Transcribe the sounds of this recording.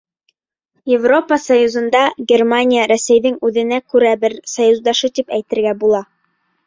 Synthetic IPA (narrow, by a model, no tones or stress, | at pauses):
jɪvro̞pəsɐjuzɤ̆nd̪ɑɡʲermanʲijəɾæsæjðɘŋʉðɘ̆nækʉɾæbɘɾsɐjuzd̪ɑʃɤt̪ipæjt̪ɘ̆ɾɡæbulˠɑ